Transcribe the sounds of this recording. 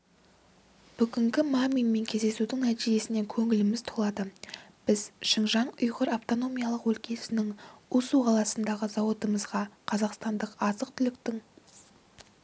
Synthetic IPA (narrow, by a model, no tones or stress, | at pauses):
b̥ʏɡʲɪŋɡʲɪmamijnme̞ŋkʲʰe̞zd̪e̞sud̪ɪŋnæt̪iʒe̞sɪne̞ŋkʲʰɵŋɪlɪmɪzt̪ʰolˠɑd̪əb̥ɪzʃəɴʒɑɴʊjʁəɾaft̪o̞no̞mʲijɑlˠəqwɵlkʲe̞sɪnɪŋusuqʰɑlˠɑsənd̪ɑʁəzɑwo̞t̪əməzʁɑqʰɑzɑqst̪ɑnd̪əqɑzəqt̪ʰʏlɪkt̪ɪŋ